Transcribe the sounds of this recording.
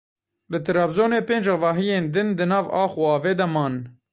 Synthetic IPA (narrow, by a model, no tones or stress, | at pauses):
lɨt̪ʰɨɾɑːbzoːneːpeːnd͡ʒɑvɑːɦijeːnd̪ɨnd̪ɨnɑːvɑːxuɑːveːd̪ɛmɑːn